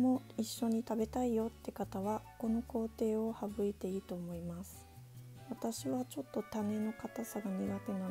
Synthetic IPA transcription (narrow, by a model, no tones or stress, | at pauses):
mo̞iɕːo̞ɲ̟it̪abe̞t̪aijo̞t̪ːe̞kat̪aβako̞no̞ko̞ːt̪e̞ːo̞habɯ̟it̪e̞iːt̪o̞ːmo̞imasɨ̥ | βat̪aɕiβat͡ɕo̞t̪ːo̞t̪ane̞no̞kat̪asaɡaneɡat̪e̞no